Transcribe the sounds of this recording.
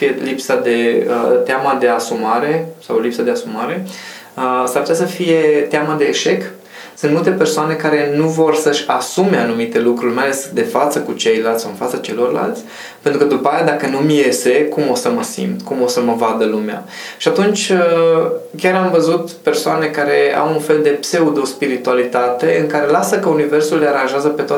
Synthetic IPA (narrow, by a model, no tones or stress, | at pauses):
fijelipsad̪e̞ət̪eamad̪e̞asumaɾe̞sawlipsad̪e̞asumaɾe̞ | əsarput̪ʲasəfije̞t̪eamad̪e̞ːʃe̞k | sɨnt̪mult̪epe̞rsoane̞kaɾe̞nuvo̞rsəʃʲasume̞anumit̪e̞lukɾurʲmajalesd̪e̞fat̪səkut͡ʃe̞jlalt̪ʲsawɨnfat̪sət͡ʃe̞lo̞rla̰lt̪sʲ | pent̪ɾukəd̪upaajad̪akənumje̞se̞kumo̞səməsḭmt̪kumo̞səməvad̪əlumea̰ | ʃiat̪unt͡ʃʲə | kʲaɾamvəzut̪pe̞rsoane̞kaɾe̞a̰wunfe̞ld̪e̞pse̞ud̪o̞spiɾit̪ualit̪at̪e̞ɨŋkaɾe̞lasəkəunive̞rsulːeaɾãnʒeazəpe̞t̪oa